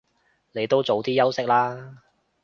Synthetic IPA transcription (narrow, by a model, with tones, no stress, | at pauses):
ne˨˧jt̪o˥wt͡so˨˧wt̪iː˥jɐ˥wsɪ˥k̚laː˥